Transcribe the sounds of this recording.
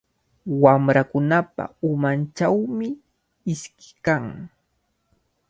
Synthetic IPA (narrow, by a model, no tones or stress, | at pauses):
wamɾakʊnapa̰ʊmant͡ʃawmɪ | ɪskɪ̥kaŋ